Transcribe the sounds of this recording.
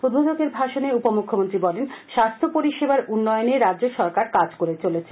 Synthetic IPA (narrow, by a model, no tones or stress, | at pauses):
pɾod̪bʱod͡ʑoɡeɾbʱaʃoneupomukʰːomont̪ɾibɔlenʃast̪ʰopoɾiʃebaɾunːɔjoneɾadd͡ʑoʃɔɾkaɾkad͡ʑkoɾet͡ɕolet͡ɕʰe